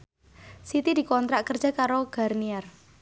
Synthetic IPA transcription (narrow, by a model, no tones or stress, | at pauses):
sit̪idi̤kɔnt̪ɾaʔkərd̥d͡ʒʒ̥a̤kaɾoɡ̥a̤rniɛr